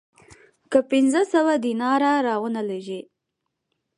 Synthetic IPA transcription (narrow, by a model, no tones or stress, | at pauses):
kəpɪnzəsəwad̪inɑɾaɾɑwənaleʒi